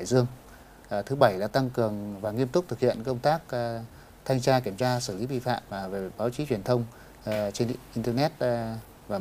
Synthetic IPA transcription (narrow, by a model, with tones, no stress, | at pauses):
jzɨ˧əŋ˨˩ | t̪ʰɨ˨˦ɓə˧˩jlaː˧˨˩t̪a˧ŋkɨ˨˩əŋvaː˨˩ŋi˧əmt̪ʊ˦˥k͡p̚t̪ʰɨ˨˩k̚hḭ˧˨ənkə˧wŋ͡mt̪aː˦˥k̚ | t̪ʰa˧jŋ̟t͡ɕaː˧ki˧˩əmt͡ɕaː˧sɨ˧˩li˨˦ɓḭ˧˨fa̰ː˧˨mvaː˨˩ve˨˩ɓaː˨˦wt͡ɕi˨˦t͡ɕwi˨˩ənt̪ʰə˧wŋ͡m | t͡ɕe˧nʔi˧nt̪ɛː˧nɛ˦˥t̚ | vaː˨˩